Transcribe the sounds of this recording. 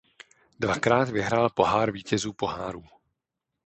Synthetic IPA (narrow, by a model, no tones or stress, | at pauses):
dvakɾaːt̪vɪɦɾaːlpo̞ɦaːɾviːcɛzuːpoɦaːɾuː